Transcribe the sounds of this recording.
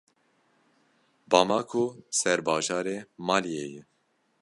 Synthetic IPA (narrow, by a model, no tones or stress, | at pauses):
bɑːmɑːkʰosɛɾbɑːʒɑːɾeːmɑːlijeːjɛ